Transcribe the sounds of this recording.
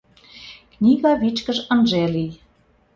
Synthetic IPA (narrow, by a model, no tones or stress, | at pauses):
knʲiɣɑβit͡ɕkə̆ʒə̆nʒelij